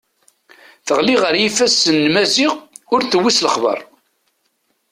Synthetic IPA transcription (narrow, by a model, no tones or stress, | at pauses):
θəʁliʁəɾjifæsənːmæziʁʊɾθəwːisləχbə̰ɾˤ